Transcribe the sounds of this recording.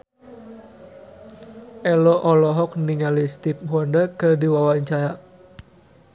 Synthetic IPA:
ʔɛlɔʔɔlɔɦɔk̚niŋalist̪ip̚hwɔndəkədiwawaɲt͡ʃaɾa

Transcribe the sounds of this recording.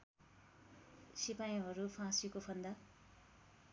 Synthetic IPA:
sipaj̃ɦʌɾupʰãsikopʰʌnd̪a

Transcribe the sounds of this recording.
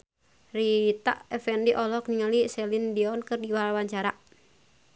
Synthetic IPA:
rit̪a̰ʔɛfɛndiʔɔlɔkniŋalisɛlindiɔnkɨrdiwalawaɲt͡ʃaɾa

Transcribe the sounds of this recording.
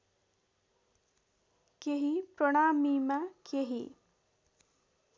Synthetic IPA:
keɦipɾoɽ̃aːmimakʰeɦi

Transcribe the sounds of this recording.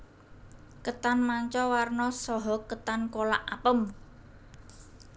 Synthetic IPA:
kət̪anmaɲt͡ʃɔwarnɔsɔɦɔkət̪ankolaʔapəm

